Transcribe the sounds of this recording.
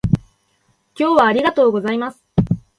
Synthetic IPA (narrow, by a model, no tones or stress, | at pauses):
kʲo̞ːβaːɾʲiɡat̪o̞ːɡo̞zaimasɨ̥